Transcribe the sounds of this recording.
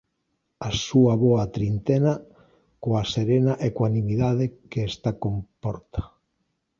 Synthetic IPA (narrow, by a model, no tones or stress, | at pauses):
asuaβɔat̪ɾint̪ena | koaseɾenaʔekoanimiðaðekeːst̪akompɔɾt̪ḁ